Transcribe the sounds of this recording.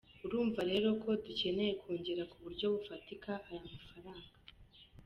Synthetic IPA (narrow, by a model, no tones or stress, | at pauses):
uɾuːɱvaɾe̞ːɾo̞kʰo̞duce̞ne̞je̞kʰuːɲɟeɾakuβuɾɟo̞βufatikaʔajamafaɾaːŋɡa